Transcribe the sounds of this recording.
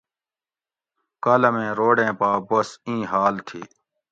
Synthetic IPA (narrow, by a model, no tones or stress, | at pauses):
kɐləmẽːɾoːɖẽːpaːbɐsĩːɦaːlt̪ʰiː